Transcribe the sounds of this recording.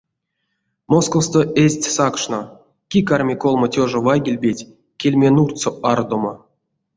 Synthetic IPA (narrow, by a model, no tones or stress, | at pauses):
moskost̪oʔezʲtʲsakʂno | kʲikarmʲikolˠmotʲoʐovajɡʲilʲbʲetʲ | kʲelʲmʲenurt̪t͡soard̪omo